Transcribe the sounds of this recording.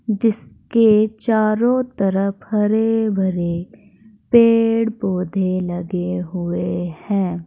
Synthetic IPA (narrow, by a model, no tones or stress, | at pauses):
d͡ʒɪsket͡ʃaːɾõt̪ɐɾəpʰhɐɾebʱɐɾe | peːɽpoːd̪ʱelɐɡeɦʊehɛ̃ː